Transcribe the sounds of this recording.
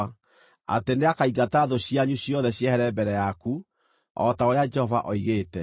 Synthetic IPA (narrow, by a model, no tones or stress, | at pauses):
a̰teneakaiɣataːðoɕiaɲuɕjɔðɛɕjɛhɛɾɛbɛɾɛjaku | ɔtaoɾead͡ʒɛhɔva̰ʔɔiɣeːtɛ